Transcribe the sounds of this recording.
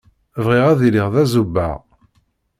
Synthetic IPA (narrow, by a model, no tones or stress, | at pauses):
vʁiʁæðiliʁðæzubːa̰ʁ